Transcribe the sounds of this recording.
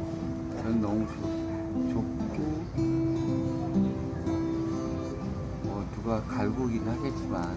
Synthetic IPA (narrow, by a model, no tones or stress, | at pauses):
t͡ɕʌnːʌŋsʰu | t͡ɕok̚t͈u | mʌtuɡakaɭɡuɡinhaɡet͡ɕ͈iman